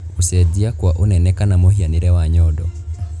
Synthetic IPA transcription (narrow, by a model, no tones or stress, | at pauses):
usɛd͡ʒiakuwaʔunɛnɛkanamuhianiɾɛwaɲɔdɔ